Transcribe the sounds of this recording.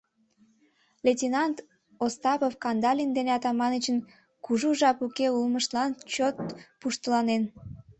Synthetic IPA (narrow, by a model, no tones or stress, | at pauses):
lʲetʲinɑnt̪ | ost̪ɑpofkɑnd̪ɑlʲind̪eneɑt̪ɑmɑnət͡ɕən | kuʒuʒɑpukeulməʃt̪lɑnt͡ɕot̪̚puʃt̪əlɑnen